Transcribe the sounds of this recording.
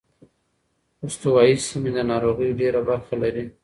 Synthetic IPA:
ʊst̪uwɑjisimed̪ənɑɾoɣəjɖeɾabaɾxalaɾi

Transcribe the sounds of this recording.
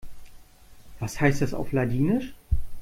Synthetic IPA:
v̥ashaɪstdasa̰ʊfladiːnɪʃ

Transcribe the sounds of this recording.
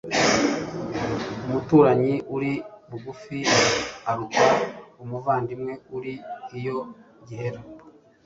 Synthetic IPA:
umutuːɾaɲiʔuɾiβuɡufinaaɾukaumuvaːndimŋe̞uɾiːjo̞ | ɟiheɾo

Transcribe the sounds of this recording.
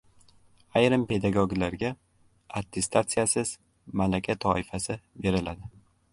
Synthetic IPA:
ajɾɪmpe̞d̪aɡoɡʲlaɾɡʲa | at̪ʰːe̞st̪ʰat̪sɨjasɪz̥ | malakʲʰat̪ʰɒɪfasɪbe̞ɾɪlad̪ɪ

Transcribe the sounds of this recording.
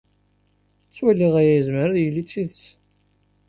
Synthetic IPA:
t͡sːwælːiʁæjæjəzməɾðjəlːit͡sːiðəs

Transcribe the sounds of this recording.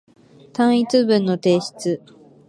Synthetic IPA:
t̪ãɰ̃it͡sɨbɯ̟̃nːo̞t̪e̞ːɕi̥t͡sɨ

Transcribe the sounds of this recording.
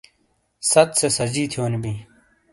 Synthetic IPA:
sɐt̪sesɐd͡ʑiːt̪ʰijoːnibiː

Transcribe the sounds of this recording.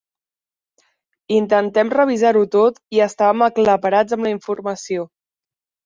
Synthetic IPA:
int̪ənt̪ɛmrəβ̞izaɾut̪ot̪iəst̪aβəməkləpəɾad͡zəmləiɱfuɾməsio

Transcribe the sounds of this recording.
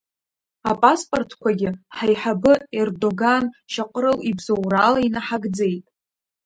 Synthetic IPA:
apʼaspʼo̞rtʰkʷʰaɡʲɪħajħabɨerdo̞ɡanʃaqʷʼɾɨlibzowralainaħaɡd͡ze̞jtʼ

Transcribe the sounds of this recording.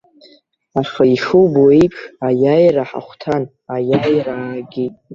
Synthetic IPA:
aχaiʂuwboikʼʰajajraħa̰χʷtʰan | ajajraːɡʲitʼ

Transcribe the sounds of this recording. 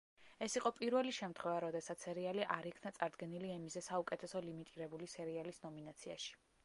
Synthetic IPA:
ɛsiqʼɔpʼiɾvɛliʃɛmt̪ʰχwɛvaɾɔd̪ɛsat̪ssɛɾialiʔaɾikʰnat̪sʼaɾd̪ɡɛniliɛmizɛsaukʼɛt̪ʰɛsɔlimit̪ʼiɾɛbulisɛɾialisnɔminat̪sʰia̰ʃi̥

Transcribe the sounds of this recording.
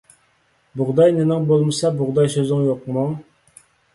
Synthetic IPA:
bʊʁd̪ɑjnɪnɪŋbolˠmɨsɑbʊʁd̪ɑjsøzɪŋjoqmoŋ

